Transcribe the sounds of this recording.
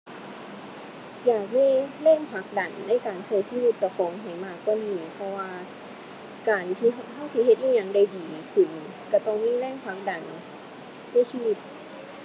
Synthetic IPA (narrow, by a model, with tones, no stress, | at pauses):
jaː˨˩k̚miː˧˥˨lɛː˥˩ŋpʰa˦˥k̚da˨˩nːa˧˥˨jkaː˨˩nt͡ɕʰɤː˧˩jsiː˧˥wi˧˩t̪̚t͡ɕa˧˩kʰɔː˨˦ŋɦa˨˩jmaː˧˩kːɔː˧˩niː˧˩pʰɔ˧waː˧ | kaː˨˩nt̪ʰi˧˩ɦhʰa˥˩wsi˧˦ɦe˧t̪̚ʔjiː˧˥˩ɲa˧ŋda˧˩jdiː˨˩kʰɯ˧˩n | ka˧˩t̪ɔ˧˩ŋmiː˧˥˨lɛː˥˩ŋpʰa˦˥k̚da˨˩n | sʰɯː˧˥˨siː˧˨wi˧˩t̪̚